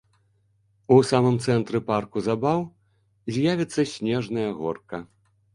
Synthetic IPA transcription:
usamɨmt̪sɛnt̪ɾɨparkuzabaw | zʲjavʲit̪sːɐsʲnʲɛʐnɐjɐɣɔrkɐ

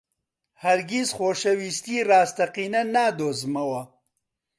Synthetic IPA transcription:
hɐɾɡizxoːʃɐwiːst̪iːraːst̪ɐqiːnɐnaːd̪oːzmɐwɐ

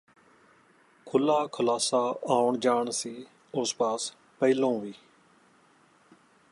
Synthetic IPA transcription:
kʰʊlːaːkʰəlaːsaːaːʊɳd͡ʒaːɳsiː | ʊspaːs | pəilõːʋiː

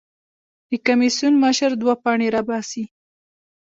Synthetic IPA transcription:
d̪̥əkamisunməʃəɾd̪wapɑɳeɾɑbɑsi

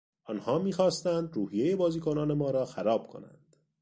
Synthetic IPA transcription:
ʔɒːnhɒːmiːxɒːst̪ænd̪ɾuːhijeje̞bɒːziːkʰo̞nɒːne̞mɒːɾɒːxæɾɒːb̥̚kʰo̞̰næ̰nd̪̥

